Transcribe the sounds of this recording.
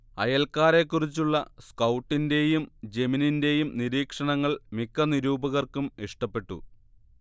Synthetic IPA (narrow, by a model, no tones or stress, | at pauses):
ɐjɐlkaːɾe̞kːurit͡ɕːuɭːɐskɐwʈːinde̞jumd͡ʑe̞mininde̞jumniɾiːkʂɐɳɐŋːɐɭmikːɐniɾuːbɐɣɐrkumiʂʈɐpːe̞ʈːṵ